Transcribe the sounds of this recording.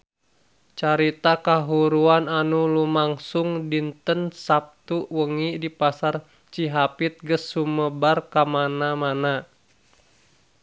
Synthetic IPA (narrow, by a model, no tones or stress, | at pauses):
t͡ʃaɾit̪akaɦuɾuananulumaŋsuŋdint̪ənsap̚t̪uwəŋidipasar | t͡ʃiɦapit̪̚ɡəsːuməbarkamanamana